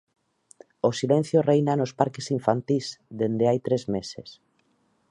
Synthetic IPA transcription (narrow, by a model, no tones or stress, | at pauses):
osilẽn̟θjorejnanospaɾkesiɱfant̪isd̪end̪eajt̪ɾezmeses